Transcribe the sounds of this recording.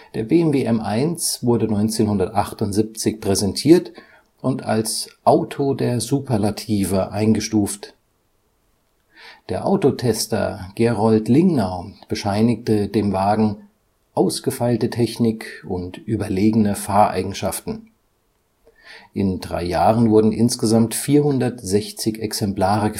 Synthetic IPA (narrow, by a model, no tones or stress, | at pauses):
d̥eːɐbeːɛmveːʔɛmʔaɪnsv̥ʊɐdənɔʏnt͡seːnhʊndɐtʔaχtʊntz̥ip̚t͡sɪçpʁ̥ɛzɛntʰiːɐt | ʔʊnta̰lsʔaʊtʰodeːɐzuːpʰɐlatʰiːvəʔaɪnɡəʃtuːft | d̥eːɐʔa̰ʊtotʰɛstɐ̰ɡ̥ɛʁɔltlɪŋnaʊb̥əʃaɪnɪk̚tədeːmvaːɡŋ̩ | ʔaʊsɡ̥əfaɪltətʰɛçnɪkʊntʔyːbɐleːɡənəfaːɐʔa̰ɪɡŋ̩ʃaftn̩ | ʔɪndʁa̰ɪjaːʁənvʊɐdn̩ʔɪnsɡ̥əzamtfiːɐhʊndɐtz̥ɛçt͡sɪçɛksɛmplaːʁəɡə